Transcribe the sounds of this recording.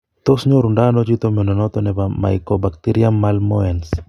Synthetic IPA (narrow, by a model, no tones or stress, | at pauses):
t̪osɲoɾundanɔd͡ʒit̪omɛnɔnɔt̪ɔnɛbama̰jkobak̚t̪iɾiamːalmɔɛns